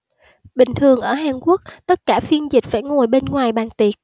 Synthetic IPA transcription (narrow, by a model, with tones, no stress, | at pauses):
ɓï˨˩ŋ̟t̪ʰɨ˨˩əŋʔəː˧˩ɦaː˨˩nku˦˥ək̚t̪ə˦˥t̚kaː˧˩fi˧ənzï˨˩k̟̚faː˧˥˩jŋo˨˩jɓe˧nŋwaː˨˩jɓaː˨˩ŋt̪i˨˩ət̚